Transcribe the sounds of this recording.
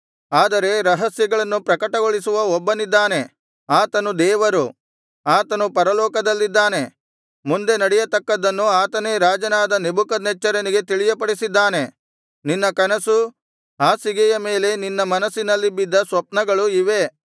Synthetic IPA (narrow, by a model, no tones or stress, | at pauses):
aːd̪ɐɾe̞ɾɐɦɐsjɐɡɐɭɐnːupɾɐkɐʈɐɡoɭisuʋɐɔbːɐnid̪ːaːne̞ | aːt̪ɐnud̪ɛːʋɐɾu | aːt̪ɐnupɐɾɐlɔːkɐd̪ɐlːid̪ːaːne̞ | mund̪e̞nɐɽɛjɐt̪ɐkːɐd̪ɐnːuaːt̪ɐne̞ːɾaːd͡ʒɐnaːd̪ɐnebukɐd̪nɛt͡ʃːɐɾɐniɡe̞t̪iɭijɐpɐɽisid̪ːaːne̞ | ninːɐkɐnɐsu | ɦaːsiɡɛjɐme̞ːle̞ninːɐmɐnɐsːinɐlːibid̪ːɐsʋɐp̚nɐɡɐɭuiʋe̞